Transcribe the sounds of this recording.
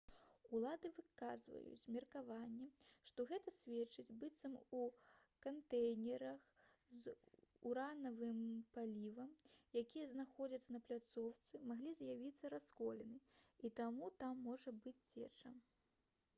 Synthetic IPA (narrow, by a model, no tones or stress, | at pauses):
ulˠad̪ɨvɨkazvɐ̰jṵt͡sʲmʲɛrkavanʲːɛʂt̪ɔɣɛt̪ɐsʲvʲɛt͡ʂɨd͡zʲbɨt̪sɐmukant̪ɛjnʲɛɾɐx | zuɾanɐvɨmpalʲivɐmjakʲijɐznaxɔd͡zʲɐt̪sːɐnɐplʲat̪sɔwt̪sɨmaɣlʲizʲjavʲit̪sːɐɾaskɔlʲɛnɨit̪amut̪amːɔʐɐbɨt͡sʲt͡sʲɛt͡ʂɐm